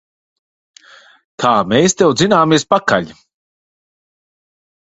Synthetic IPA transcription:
kʰaːmeːst̪ɛwd̪zinaːmiɛspaka̰ʎʲi

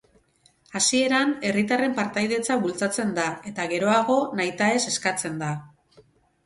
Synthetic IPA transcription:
asie̞ɾane̞rit̪are̞mpaɾt̪ajðe̞t͡saβult͡sat͡se̞nd̪ae̞t̪aɣe̞ɾo̞aɣ̞o̞najt̪ae̞se̞skat͡se̞nd̪a

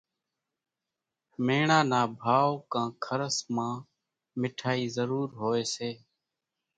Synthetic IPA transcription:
meːɳaːnaːbʱaːʋkãːkʰəɾəsmãː | mɪʈʰaːiːzəɾuːɾɦoːeːseː

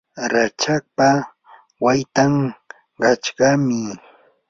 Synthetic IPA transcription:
ɾat͡ʃak̚pa | wajt̪aŋ | ɢɑt͡ʃɢɑmɪ

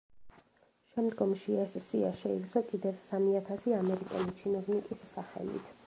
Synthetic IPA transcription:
ʃɛmd̪ɡɔmʃiɛssiaʃɛisɔkʼid̪ɛvsamiat̪ʰasiamɛɾikʼɛ̰lit͡ʃʰinɔvnikʼisːaχɛ̰lḭt̪ʰ

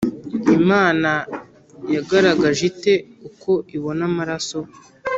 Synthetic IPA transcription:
imaːna | jaɡaɾaɡaʒite̞uko̞ʔiβo̞namaɾaso̞

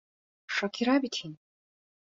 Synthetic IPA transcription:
ʂakʰiɾabit̪ʰin

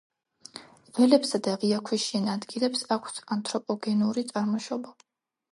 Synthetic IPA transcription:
vɛlɛpsad̪aʁiakʰwiʃiɛnad̪ɡilɛpsakʷʰsant̪ʰʼɾɔpʼɔɡɛnuɾit̪sʼaɾmɔʃɔba

